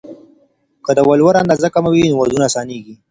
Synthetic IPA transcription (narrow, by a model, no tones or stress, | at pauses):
kəd̪əwalwaɾand̪azəkamawinʊwad̪unaːsɑːneːɡi